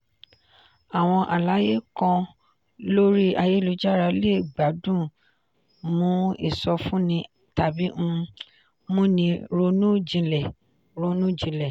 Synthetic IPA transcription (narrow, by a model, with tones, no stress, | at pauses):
a˨w̃ɔ̃˧ʔa˨la˨˦je˦kɔ̃˧ | lo˦ɾi˦a˧je˦lo˧d͡ʒa˦ɾa˧le˦˨ɡ͡ba˨˦dũ˦˨ | mũ˨˦ḭ˦˨sɔ˧fũ˦nĩ˧ | ta˨bi˨˦m̩̃˧ | mũ˦nĩ˧ɾo˧˦nũ˦d͡ʒĩ˧lɛ˨ | ɾo˧˦nũ˦d͡ʒĩ˧lɛ˨